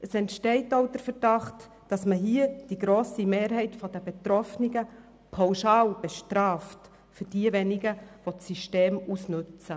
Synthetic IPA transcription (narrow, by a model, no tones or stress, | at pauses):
əsɛntʃtɛɪtoʊd̥əɾfəɾd̥ɑχt | d̥ɑsməɦiəd̥iɡɾoːsimeːɾɦɛɪtfɔdəbet̪ɾɔfniɡə | pʰawʃɑːlb̥ɛʃtɾɑːft | fʏɾd̥iəʋɛniɡəʋɔt͡sːiʃteːmusnʉt͡sə